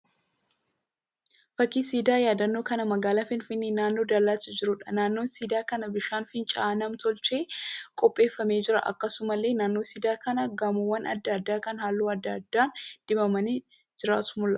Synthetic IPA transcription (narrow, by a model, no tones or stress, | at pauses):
fɐkːiːsiːd̪aːjaːd̪ɐnːo̞ːkɐnɐmɐɡaːlaːfɪnfɪnːeːnaːnːo̞ːd̪ɐlːaːsɐd͡ʒɪɾʊᶑɐnaːnːo̞ːnsiːd̪aːkɐnɐbɪʃaːnfɪnt͡ʃʼaːnɐmt̪ɔlt͡ʃʼe̞ːkʼɔpʼːe̞ːfːɐme̞ːd͡ʒɪɾɐ̰ʔɐ̰kːɐsʊmɐlːe̞ːnaːnːo̞ːsiːd̪aːkɐnɐɡɐmʊwːɐnʔɐ̰d̪ːɐd̪ːaːkɐnhaːlːuːɐd̪ːɐd̪ːaːnd̪̥ɪbɐmɐnɪ | d͡ʒɪɾaːt̪ʊ̥mʊlːɐ